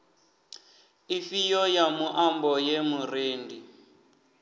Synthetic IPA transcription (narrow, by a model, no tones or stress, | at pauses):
ifijɔjamuʔambɔjemureːndi